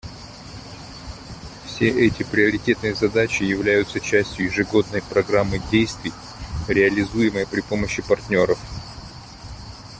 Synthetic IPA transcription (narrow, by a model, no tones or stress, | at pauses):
fsʲe̞ʔɛtʲɪpɾʲɪɐɾʲɪtʲe̞t̪nɨjəzɐd̪at͡ɕɪjɪvlʲæjʊt̪sət͡ɕæsʲtʲjʊjɪʐɨɡo̞d̪nəjpɾɐɡɾamːɨdʲejst̪vʲɪj | ɾʲɪɐlʲɪzujɪmɨjəpɾʲɪpo̞məɕːɪpɐrtʲnʲo̞ɾəf